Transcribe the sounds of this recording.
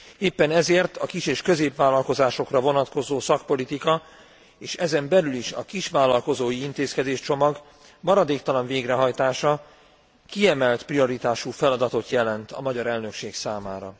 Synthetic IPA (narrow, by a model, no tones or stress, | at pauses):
eːpːɛnɛzeːrt̪ɒkiʃeːʃkø̞zeːpʋaːlːɒlko̞zaːʃo̞krɒvo̞nɒt̪ko̞zoːsɒk̚po̞lit̪ikɒ | eːʃɛzɛmbɛlyliʃɒkiʃʋaːlːɒlko̞zoːjiint̪eːskɛd̪eːʃt͡ʃo̞mɒɡ | mɒɾɒd̪eːkt̪ɒlɒɱveːɡrɛɦɒjt̪aːʃɒ | kiɛmɛlt̪prio̞ɾit̪aːʃufɛlɒd̪ɒt̪o̞t̪jɛlɛnt̪ɒ̰mɒɟɒɾɛlnø̞kʃeːksaːmaːɾɒ